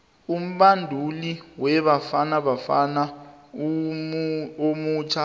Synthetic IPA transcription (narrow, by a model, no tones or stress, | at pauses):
um̩ɓandʱuliwɛβafanaβafana | omuːt͡ʃʰa